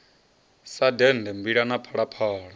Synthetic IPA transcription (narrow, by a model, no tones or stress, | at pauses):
sadɛndɛmbiɺanapʰɔɺapʰɔːɺa